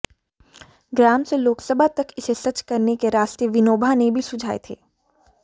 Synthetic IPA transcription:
ɡɾaːmseloːksəbʱat̪ɐkɪsesɐt͡ʃkɐɾnekeɾaːst̪iəʋɪnoːbʱanebʱisʊd͡ʒʱaːḛt̪ʰeː

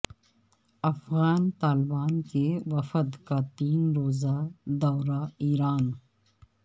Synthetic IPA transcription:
ɐfɣaːnt̪aːlɪbaːnkewɐfəd̪kat̪iːnɾoːzad̪ɔːɾaiːɾaːn

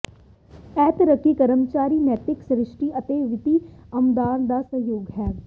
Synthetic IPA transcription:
ɛːt̪ɾəkːikəɾəmt͡ʃaːɾiːnɛːt̪ɪksɾɪʃʈiʔət̪eːʋɪt̪iːɐmd̪aːnd̪aːsəɦjoːɡɦɛː

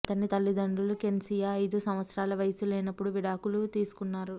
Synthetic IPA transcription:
ɐt̪ɐnːit̪ɐlːid̪ɐɳɖulukensijɐɐjd̪usɐmʋɐt̪sɾaːlɐʋɐjɐsulɛːnɐpːuɽuʋiɽaːkulut̪iːsu̥kunːaːɾu

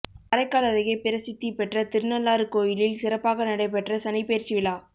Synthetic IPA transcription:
ɐɾɐɪkːaːlɐðɐjɐpɪɾɐsɪt̪ːipɛʈrɐt̪ɪɾnɐlːaːɾɯkoːjɪlɪlsɪɾɐpːaːɣɐnɐɽɐɪp̬ɛʈrɐsɐnɐɪpːeːɾt͡ʃɪʋɪlaː

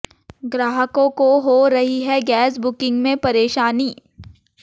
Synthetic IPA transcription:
ɡɾaːɦəkõkoɦoɾɐɦiɦɛɡɛːsbʊkɪ̃ŋɡmẽpɐɾeːʃaːniː

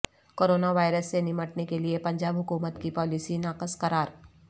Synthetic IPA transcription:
koːɾoːnaʋaːɪɾəsːenɪməʈnekeliepɐ̃ɲd͡ʒaːbɦʊkuːmət̪kipɔːlisinaːqəskɐɾaːɾ

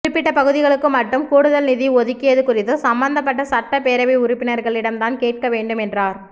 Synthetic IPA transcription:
ʊɪpːɪʈːɐpɐɣɯðɪɣɐɭɯkːɯmɐʈːɯmkuːɽɯðɐlnɪðiɔðɯkːɪjɐðɯkʊrɪt̪ːɯsɐmbɐnd̪ɐpːɐʈːɐsɐʈːɐpeːɾɐʋɐɪʊɾɪpːɪnɐɾɣɐɭɪɽɐmt̪aːnkeːʈ̚kɐʋeːɳɖɯmɛndraːɾ

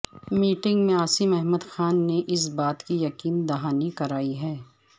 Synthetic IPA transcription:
miːʈɪ̃ŋɡmẽaːsɪmɛɦmud̪xaːnːeʔɪs̬baːt̪kijɐkiːnd̪ɐɦaːnikɐɾaːiɦɛː

